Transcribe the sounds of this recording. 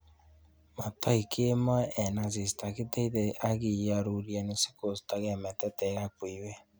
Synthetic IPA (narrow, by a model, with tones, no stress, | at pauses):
ma˨ta˦ikʰe˦ma˦ɛ˨na˨ze˨si̥ta˨ke˦tɛ˦i˦ðɛ˨ʔa˦ɣi˨ja˨ɾu˨ɾja˨ne˨si̥˦ko˨si̥ta˨ɣɛ˨mɛ˨tɛ˦tɛ˨a˦kwi˨wɛ˦